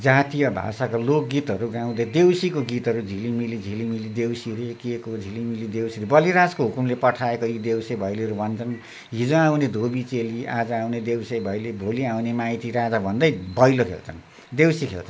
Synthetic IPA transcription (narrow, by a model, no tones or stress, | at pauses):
d͡zat̪ijʌbʱa̰sakolok̚ɡit̪ɦʌɾuɡaw̃d̪ʌjd̪ewsikoɡit̪ɦʌɾud͡zʱilimilid͡zʱilimilid̪ewsiɾekekod͡zʱilimilid̪ewsiɾebʌliɾaskoɦukumlepʌʈʰaekojid̪ewsebʱʌjliʌɾubʱʌnt͡sʰʌn | ɦid͡zoawned̪ʱobit͡selia̰d͡zʌawned̪ewsejbʱʌjlibʱoliawnemajt̪iɾad͡zabʱʌnd̪ʌjbʱʌjlokʰḛlt͡sʰʌ̰n | d̪ewsikʰḛlt͡sʰʌn